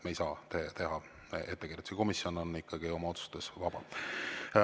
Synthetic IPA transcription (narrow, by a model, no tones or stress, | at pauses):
mejsɑːt̪et̪e̞ɦɑ | e̞t̪ːekiɾet̪u̥seko̞misjo̞nonːikːɑɡ̥io̞mɑo̞t̪su̥st̪esvɑb̥ɑ̰